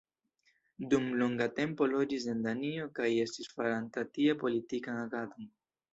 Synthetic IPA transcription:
d̪umloŋɡat̪e̞mpo̞lod͡ʒise̞nd̪anio̞kaje̞stisfaɾant̪at̪iapo̞lit̪ikanaɡad̪on

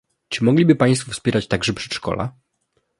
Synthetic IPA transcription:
t͡ʂɘmɔɡlʲibɘpaj̃st̪fufspʲɛɾat͡ɕt̪aɡʐɛpʂɛ̥tʂkɔ̰la̰

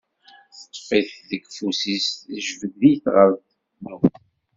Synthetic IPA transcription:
θt̪ˤːfiθðəɡfusist̪ʒvəɡðijθʁəðt | nu

